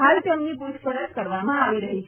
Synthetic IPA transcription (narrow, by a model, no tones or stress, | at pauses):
ɦalt̪jemnipuʃpəɾət͡ʃkəɾʋamãaʋiɾəɦi